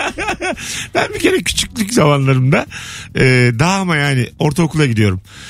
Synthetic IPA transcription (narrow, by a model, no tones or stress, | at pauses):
b̥ænbice̞ɾɛcʰy̥t͡ʃʰycʲlʲyczamanlˠaɾɯmd̪aɛːd̪aːmajaːnɪo̞ɾt̪ʰaokulˠaɟid̪ijo̞ɾum